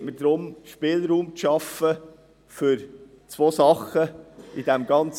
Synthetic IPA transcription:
məd̥ɾʊmʃpɪːlɾuːmt͡sʃɑfə | fʏɾ | t͡sʋoːsɑχəid̥ɛmɡ̥ɑnt͡s

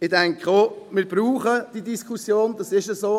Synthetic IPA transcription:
ɪd̥ɛŋkχomɪːɾb̥ɾuːχəd̥idiskʰusjoːndɑsɪʃəsoː

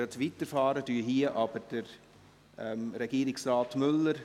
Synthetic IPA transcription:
ətʋitəɾfɑːɾədyːɦiəʔɑb̥əɾd̥əɾ | ɛmɾɛɡ̥iːɾɪksrɑːtmʏlːəɾ

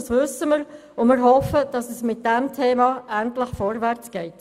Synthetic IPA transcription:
sʋʏsəməɾ | ʊmɪːɾɦɔfəd̥ɑsɛsmɪt̚d̥ɛmtʰeːmɑæntləχfɔɾvæʁɾt͡sɡ̥ɛɪt

